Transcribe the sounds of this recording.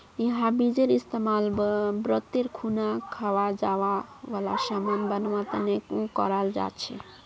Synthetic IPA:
jiɦãbid͡ʒeɾist̪emalbbɾət̪eɾkʰunakʰawad͡ʒawaʋala̰samanbənwãt̪ənekũkɔ̰ɾald͡ʒa̰t͡ʃʰɛ̰

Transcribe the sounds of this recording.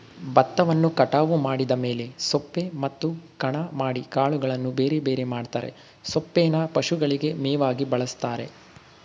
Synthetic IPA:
bɐt̪ːɐʋɐnːukɐʈaːʋumaːɽid̪ɐme̞ːle̞sopːe̞mɐt̪ːukɐɳɐmaːɽikaːɭuɡɐɭɐnːubeːɾebe̞ːɾemaːɖt̪a̰ːɾe̞̰ | sopːeːnɐpɐʃuɡɐɭiɡe̞mɛːʋaːɡibɐɭɐst̪aːɾe̞̰

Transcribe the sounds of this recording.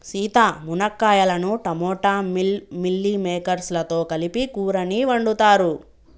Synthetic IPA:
siːt̪aːmunɐkːaːjɐlɐnuʈɐmɔːʈaːmilːimɛːkɐɾslɐt̪o̞ːkɐlipikuːɾɐniːʋɐɳɖut̪aːɾu

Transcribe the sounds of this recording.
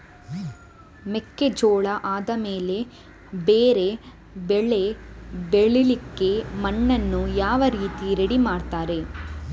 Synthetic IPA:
mekːed͡ʒoːɭɐʔaːd̪ɐmeːle̞ | beːɾe̞ | beɭe̞beɭilikːe̞mɐɳːɐnːujaːʋɐɾiːt̪iɾeɽimaːɽt̪aːɾe̞

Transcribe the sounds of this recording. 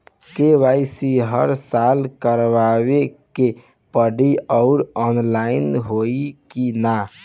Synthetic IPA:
keβajsiɦəɾsalkəɾʋaβeke | pəɽiɔʊɾɔnlainɦoikina

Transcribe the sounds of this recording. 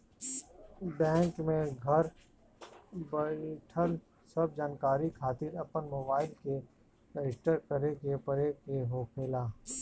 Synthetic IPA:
bɛ̃ːŋkmẽɡʱɐɾ | bɐʈʰəl | sɐb̚d͡ʒaːnkaːɾikʰaːt̪ɪɾɐpənmoːbaːɪlke | kəɪsʈəɾkɐɾekepɐɾekeɦoːkʰeːlaː

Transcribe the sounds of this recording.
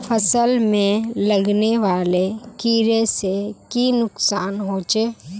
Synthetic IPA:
pʰəsəlmẽləɡneʋaːlekiːɾesekinʊksaːnɦoːt͡ʃeː

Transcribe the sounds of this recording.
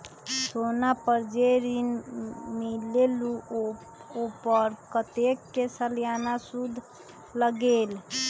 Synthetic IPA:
sonapəɾd͡ʒeɾinmilelu | opəɾkət̪ekːesəljanasud̪ʱ | ləɡel

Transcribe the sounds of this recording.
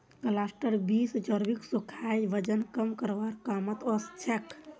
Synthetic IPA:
kəlasʈəɾbisd͡ʒəɾbiksukʰajʋəd͡ʒənkəmkəɾʋaɾkaːmət̪ɔst͡ʃʰekʰ

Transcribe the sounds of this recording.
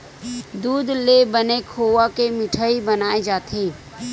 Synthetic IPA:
d̪uːd̪lebənekʰowakemɪʈʰəibənaːed͡ʒaːt̪ʰe

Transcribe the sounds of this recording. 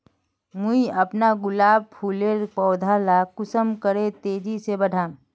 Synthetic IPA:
muiɐpnaɡʊlaːb̚pʰuːleɾpɔːd̪ʱalakʊsəmkəɾet̪eːd͡ʒisebəɽ̤ʱaː

